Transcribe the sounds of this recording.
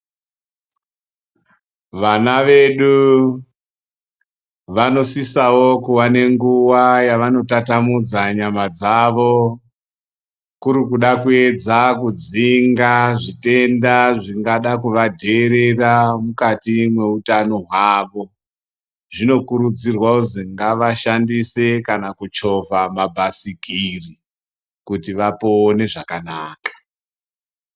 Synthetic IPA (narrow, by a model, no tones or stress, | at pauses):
ʋanaʋe̞ɗu | ʋano̞sisawo̞kuwane̞ŋɡuwajaʋano̞tatamud͡zaɲamad͡zaʋo̞ | kuɾikuɗakue̞d͡zakud͡ziŋɡaʐite̞ndaʐiŋɡaɗakuʋadʱeːɾe̞ramukatimwe̞utano̞ɦwaːʋo̞ | ʐino̞kuɾud͡zirwauziŋɡaʋaʃandise̞kanakut͡ʃo̞vamabʱasikiri | kutiʋapo̞ːne̞ʐakanaːkḁ